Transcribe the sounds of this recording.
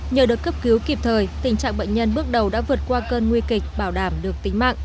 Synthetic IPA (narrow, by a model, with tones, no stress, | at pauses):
ɲə̰ː˨˩ɗɨ˨˩t̚kə˦˥p̚ki˨˦wki˨˩p̚t̪ʰəː˨˩jt̪ï˨˩ŋ̟t͡ɕa̰ː˧˨ŋɓə̰˧˨ŋ̟ɲə˧nɓɨ˦˥ək̚ɗə˨˩wɗa̰ː˧˥vɨ˨˩ət̚kwaː˧kəː˧nŋwi˧kï˨˩k̟̚ɓaː˧˩wɗaː˧˩mɗɨ˨˩ək̚t̪ï˨˦ŋ̟ma̰ː˧˨ʔ